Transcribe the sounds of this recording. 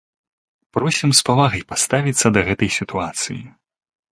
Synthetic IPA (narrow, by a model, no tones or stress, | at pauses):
pɾɔsʲimspavaɣɐjpast̪avʲit̪sːɐd̪ɐɣɛt̪ɐjsʲit̪uat̪sɨ̰jḭ